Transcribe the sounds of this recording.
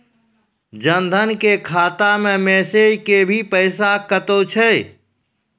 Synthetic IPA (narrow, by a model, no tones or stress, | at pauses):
d͡ʒənd̪ʱənkekʰaːt̪amẽmɛːsed͡ʒkebʱipəɪsakət̪ot͡ʃʰɛ